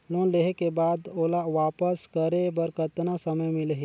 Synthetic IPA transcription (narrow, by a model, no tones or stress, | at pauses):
loːnleɦekebaːd̪oːlaʋaːpəskəɾebɐɾkət̪nasɐməjmɪ̃lɐɦe